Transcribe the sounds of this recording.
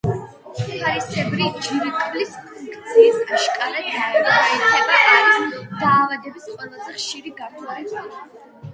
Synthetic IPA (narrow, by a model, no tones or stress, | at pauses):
aɾisʰʼɛvɾid͡ʒiɾikʼɾlispʰuŋkʰʼt̪sʰiːsaʃkʼalad̪aɛɾaiɛbaaɾisd̪̥aːvad̪ɛbisqʼwɛlˠazɛχʃiɾiɡaɾaɛba